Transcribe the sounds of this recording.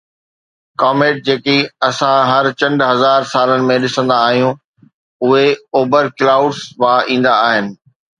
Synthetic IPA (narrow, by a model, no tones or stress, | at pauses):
kaːmeːʈ̚d͡ʑeːkeɐsãɦɐɾt͡ɕɐ̃ɳɖʱɦɐzaːɾsaːlənɪ̆mẽɗɪsə̃nd̪aːɦijũ | ʊɦeoːbəɾklaːʊɖsʋaːʔĩːn̆d̪aːɦɪnɪ̆